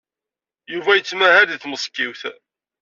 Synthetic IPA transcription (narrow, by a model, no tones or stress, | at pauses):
juvæjət͡sːmæhæðθməsˤkːiwθ